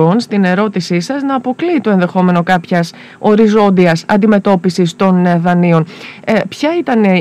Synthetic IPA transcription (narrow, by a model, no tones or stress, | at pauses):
o̞nst̪ine̞ɾo̞t̪isisɐznɐːpo̞kliːt̪o̞e̞nðe̞xo̞me̞no̞kɐpçɐs | o̞ɾizo̞nd̪iɐsɐ̰nd̪ime̞t̪o̞pisist̪o̞nðɐnio̞npçɐit̪ɐne